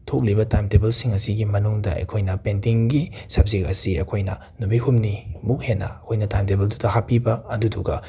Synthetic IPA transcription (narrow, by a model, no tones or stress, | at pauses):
tʰok̚libɐtajmtebelsiŋɐsiɡimɐnuŋdɐʔɐ̰jkʰojnɐpentiŋɡisɐb̚zikɐ̰siɐ̰kʰojnɐ | nubihumnibukhenːɐ̰ɐkʰojnɐtajmtebeldutɐhapibɐːduduɡɐ